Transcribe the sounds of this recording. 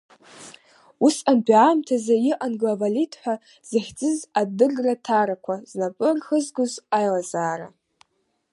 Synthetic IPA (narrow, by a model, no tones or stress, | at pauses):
usanbʼamtʰazajɪʔanɡlavalitʰʼħʷa | z̥aχʲd͡zɨzadɨrratʰaɾakʷʰaznapʼɨrxəzɡʷʊzajlazaːɾa̰